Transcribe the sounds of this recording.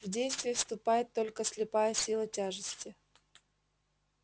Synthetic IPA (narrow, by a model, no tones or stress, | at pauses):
vdʲejst̪vʲɪjəfst̪ʊpajɪt̪ːo̞lʲkəsʲlʲɪpajəsʲilˠətʲaʐɨsʲtʲɪ